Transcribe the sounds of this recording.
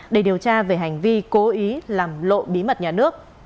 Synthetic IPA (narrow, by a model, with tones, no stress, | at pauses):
ɗe˧˩ɗi˨˩əwt͡ɕaː˧ve˨˩ɦa˨˩jŋ̟vi˧ko˨˦ʔi˨˦laː˨˩mlo̰˧˨ɓi˨˦mə˨˩t̚ɲaː˨˩nɨ˦˥ək̚